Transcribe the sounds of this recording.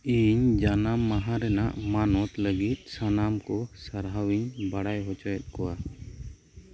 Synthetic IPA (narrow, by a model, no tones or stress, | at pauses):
iɲd͡ʒanamːaɦãɾɛna̰ʔmanɔt̪ləɡit̪̚ˀsanamkɔsaɾɦawiɲbaɽajɦɔt͡ʃɔjɛt̪̚kɔwa